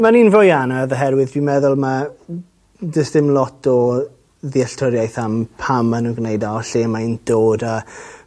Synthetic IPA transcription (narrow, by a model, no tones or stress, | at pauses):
maniːnvɔjanaðəɦɛɾwɪðdimɛðʊlˠma | d͡ʒəsðɪmlɔtɔ | ðiaɬtʰɔɾjajθampʰamənənɡnejdaɔɬeːmaind̥oːda